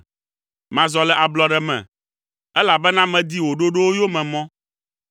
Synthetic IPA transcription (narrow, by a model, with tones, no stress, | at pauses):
mã˨zɔ˨lɛ˨ʔa˨blɔ˨ɖɛ˨mɛ̰̃˨ | ɛ˦la˨bɛ˦nã˦mɛ̃˨d̪i˦wo˨ɖo˦ɖo˦wo˦jo˦mɛ̃˨mɔ̃˦